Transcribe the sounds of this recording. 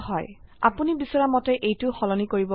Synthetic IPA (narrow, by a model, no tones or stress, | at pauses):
ɦɔja̰punibisɔɹamɔtɛʔejtʊxɔlɔnikoɹibɔ